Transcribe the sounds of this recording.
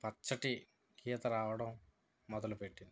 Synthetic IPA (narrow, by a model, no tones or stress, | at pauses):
pɐt͡ʃːɐʈi | kʰiːɐt̪ɐɾaːʋɐɽɐmː | ɔd̪ɐlupe̞ʈːind̪i